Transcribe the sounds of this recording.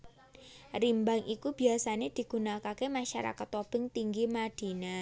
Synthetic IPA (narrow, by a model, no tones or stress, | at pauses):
rimbaŋʔikub̥i̤asaned̪̥i̤ɡ̥unakakemaʃaɾa̰kat̪ob̥ɪŋt̪iŋɡimad̪̥i̤na